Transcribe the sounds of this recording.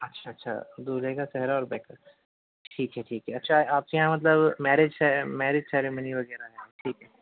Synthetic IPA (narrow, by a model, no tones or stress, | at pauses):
ɐtːʃʰaɐtːʃʰa̰d̪uːleɡat͡ʃɛɦɾaɔːɾbɛːka | ʈʰiːkɦɛʈʰiːkɦɛɐtːʃʰaaːp̚kejãmɐt̪̬ləbmɛːɾɪd͡ʒsɛmɛːɾɪd͡ʒsɛːɾeməniʋɐɡɛːɾaɦɛʈʰiːkɦɛ